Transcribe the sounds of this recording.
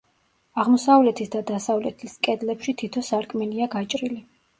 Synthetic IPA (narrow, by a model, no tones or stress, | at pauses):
aʁmɔsavlɛt̪ʰisd̪ad̪asavlɛt̪ʰiskʼɛd̪lɛpʃit̪ʰit̪ʰɔsaɾkʼmɛliaɡat͡ʃʼɾili